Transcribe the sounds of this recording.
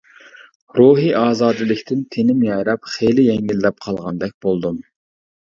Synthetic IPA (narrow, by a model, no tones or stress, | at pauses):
ɾuɦiʔɑːzɑːd̪ɨlɪkʲt̪ʰɪnt̪ʰenɪmjɑjɾɑpχelɪjɛŋɡʲilːɛp̚qʰɑlˠʁɑnd̪ɛk̚ʲb̥olˠd̪um